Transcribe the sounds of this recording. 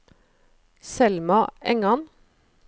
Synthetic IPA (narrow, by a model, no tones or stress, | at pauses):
sɛlmɑɛŋɑn